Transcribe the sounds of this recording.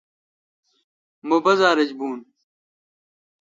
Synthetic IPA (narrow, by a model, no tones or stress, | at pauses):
mobɐzaːɾɐd͡ʑbuːn